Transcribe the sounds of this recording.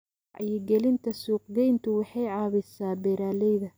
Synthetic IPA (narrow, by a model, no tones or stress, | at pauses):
ʕɑ̰jɪɡɛlɪnt̪ʰɐsuːqɡɛjnt̪ʰʊwɑħɑjʕɑːβɪsaːbɛɾaːlɛjðɐ